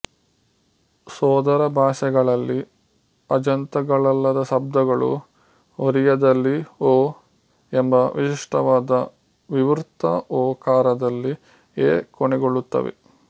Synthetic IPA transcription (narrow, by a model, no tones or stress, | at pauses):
sɔːd̪ɐɾɐbʱaːʃɐɡɐɭɐlːi | ɐd͡ʒɐnt̪ɐɡɐɭɐlːɐd̪ɐʃɐb̚d̪ɐɡɐɭṵ | ɦoɾijɐd̪ɐlːioː | embɐʋiʃiʂʈɐʋaːd̪ɐ | ʋiʋɾt̪ːɐɔːkaːɾɐd̪ɐlːi | eːkoɳɛɡoɭːut̪ːɐ̰ʋḛ